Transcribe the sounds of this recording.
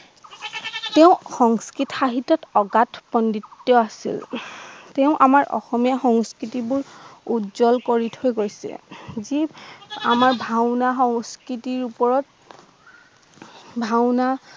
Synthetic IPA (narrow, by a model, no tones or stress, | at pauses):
teʊ̃xɔŋskɹitxaɦitɔtɔɡatpɔnditːɔasḭl | teʊ̃ʔamaɹʔɔ̰xɔmijaxɔŋskɹitibʊɹudzɔlkoɹitʰojɡojsɛ̰zia̰maɹbʱawnaxɔŋskitiɹupɔɹɔt | bʱawna